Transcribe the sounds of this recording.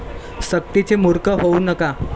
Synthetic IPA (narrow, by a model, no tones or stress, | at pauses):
sək̚ʈ̪it͡semuɾkəɦounəka